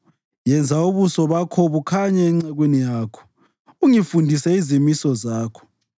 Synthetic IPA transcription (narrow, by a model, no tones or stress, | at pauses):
jɛnd͡zʱauβusɔβakʰoβukʰaɲɛːŋ͡ǀaɣwenijaːkʰɔ̥ | uŋifundʱisɛizimisɔzaːkʰɔ̥